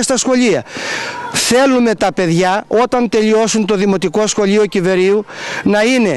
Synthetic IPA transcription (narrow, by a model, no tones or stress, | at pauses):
st̪ɐsxo̞ʎiɐ | θe̞lume̞t̪ɐpe̞ðʝɐo̞t̪ɐnt̪e̞ʎio̞sunt̪o̞ðimo̞t̪iko̞sxo̞lʎio̞cive̞ɾiunɐine̞